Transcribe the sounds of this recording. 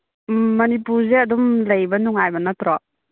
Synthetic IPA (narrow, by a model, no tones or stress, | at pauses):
ɐnipuɾzeɐdumlɐjbɐnuŋajbɐnɐtɾɔ